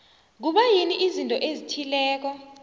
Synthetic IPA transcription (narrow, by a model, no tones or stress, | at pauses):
k̬uɓajiniʔizintʼɔʔezitʰilɛːk̬ɔ